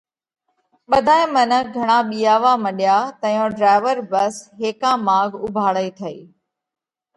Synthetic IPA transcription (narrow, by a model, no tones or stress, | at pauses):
ɓɐd̪ʱaːɪ̃mənəɡʱɐɽ̃aɓiːaːʋamɐɗɪjaːt̪ɐ̃jõɖɾaːɪʋəɾbɐsɦeːkãmãːɡʱʊbʱaːɭəit̪ʰɐḭː